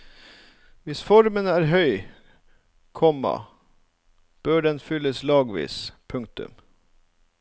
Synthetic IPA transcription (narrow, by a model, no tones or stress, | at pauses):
ʋɪsfɔɾmənəæːɾɦœʏ | kʰɔmɑ̰ | b̥øːɖɛnfʏləslɑːɡʋḭːspʰʉŋkt̪ʉ̰m